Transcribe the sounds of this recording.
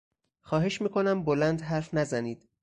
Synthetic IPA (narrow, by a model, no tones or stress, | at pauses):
xɒːɦe̞ʃmiːkʰo̞næmbolænd̪ɦæɾfnæzæniːd̪̥